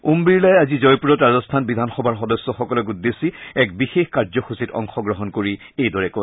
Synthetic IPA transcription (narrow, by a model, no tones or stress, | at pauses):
umbiɹlajazizɔjpuɹɔtɹazɔstʰanbid̪ʱanxɔbʱaɹxɔdɔsːɔxɔkɔlɔk̬ud̪ːesiɛk̚bixexkaɹzɔxusitɔ̰ŋxɔɡɹɔɦɔnkoɹi | ejdɔɹɛkɔ